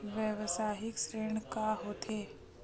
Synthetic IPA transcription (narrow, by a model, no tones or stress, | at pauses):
ʋjɛʋsaːɦɪksɾeːɽ̃kaɦoːt̪ʰeː